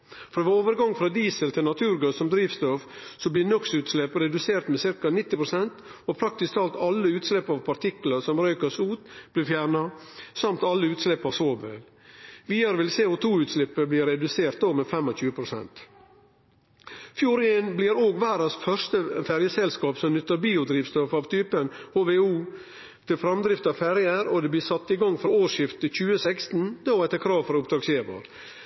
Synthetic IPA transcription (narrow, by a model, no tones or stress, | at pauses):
fɔɾʋɪoːʋəɾɡɑŋfɾɑːd̪iːsəlt̪ʰɪlnɑt̪ʰʉːɾɡøːsɔmd̪ɾiːʋst̪ɔfsɔblɪːnɔksʉːt̪slɛpɾɛd̪ʉseːɾt̪meːsɪɾkɑnɪt̪ːɪpɾʊsɛnt̪ɔpʰɾɑkt̪ɪst̪ʰɑːlt̪ɑlːəʉːt̪slɛpːɑʋpʰɑɾt̪ʰɪkləsɔmɾœʏkəsʉːt̪b̥lɪɾfjæːɾɳɑsɑmt̪ɑlːəʉːt̪slɛpːɑʋsoːʋʋɛ̰l | ʋiːəɾʋɪlseːʊt̪ʰuːʉːt̪slɪpːəbliːɾɛd̪ʉseːɾt̪̚d̪oːmefɛmːɔçʉːəpʰɾʊsɛ̰nt̪ | fjuːɾɪenblɪɾoːɡʋæːɾɑsfœɾʂt̪əfæɾjəsɛlskɑːpsɔmnʏt̪ːəɾbiːʊd̪ɾiːʋst̪ɔfɑːʋt̪ʰyːpənhoːʋeuː | t̪ʰɪlfɾɑmd̪ɾɪft̪ɑfæɾjəɾɔd̪ɛːbliːsɑt̪ːɪɡɑŋːfɾɔoːʂɪft̪əc͡çʉːəsɛkst̪n̩d̪oːæt̪əkʰɾɑːʋfɔɾʊpt̪ɑɡseːʋɑ̰ɾ